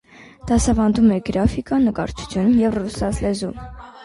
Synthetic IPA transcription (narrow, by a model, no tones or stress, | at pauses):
d̪̥ɑsɑvɑnd̪umɛɡɾɑfikɑnəkɑɾt͡ʃʰu̥t͡sʰjunjɛvrusɑslɛzum